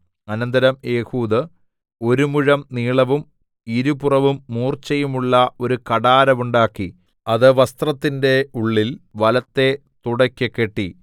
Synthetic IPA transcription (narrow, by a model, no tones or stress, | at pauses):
ɐnɐnd̪ɐɾɐme̞ːhuːðɨ | o̞ɾumuɻɐmniːɭɐʋum | iɾupurɐʋumːuːrt͡ɕːɐjumuɭːɐo̞ɾukɐɽaːɾɐmuɳɖaːkːi | ɐðɨʋɐst̪rɐt̪ːinde̞uɭːilʋɐlɐt̪ːe̞ | t̪uɽɐkʲːɨkːeʈːi